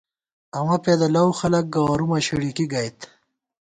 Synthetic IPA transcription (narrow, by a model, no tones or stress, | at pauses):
ɐwɐped̪ɐlɐwxɐlɐk̚ɡaːɾumɐɕiɽikiɡɐjt̪